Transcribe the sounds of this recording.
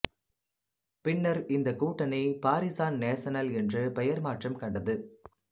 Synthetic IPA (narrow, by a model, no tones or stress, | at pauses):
pɪɳːɐɾɪnd̪ɐkuːʈːɐnɐɪpaːɾɪsaːnneːsɐnɐlɛndrɯpɛjɐɾmaːʈrɐmkɐɳɖɐðɯ